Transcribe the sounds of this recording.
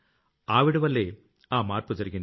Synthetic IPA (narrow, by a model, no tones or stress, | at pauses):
aːʋɪɽɯʋɐlːeː | aːmaːrpɯd͡ʒɐɾɯɣin